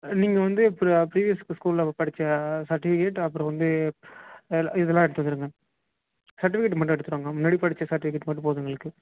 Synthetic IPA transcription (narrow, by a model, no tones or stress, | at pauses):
niːŋɡɐʋɐnd̪ɯpːɐɾpɾiːʋijɐskːskuːllɐpɐɽɪt͡ʃːɐsɐɾʈɪfɪkeʈːɐpːɯɾɔ̃ʋɐnd̪ɯ | ɪðɛlːãːɛɽɯt̪ːʋɐd̪ɪɾɯŋɡɐ | sɐɾʈɪfɪkeʈːmɐʈːɯ̃ɛɽɯt̪ːɯɾoːŋɡɐmʊnːaːɽipɐɽɪt͡ʃːɐsɐɾʈɪfɪkːeʈːmɐʈːɯ̃poːðɐŋɡɐɭɯkːɯ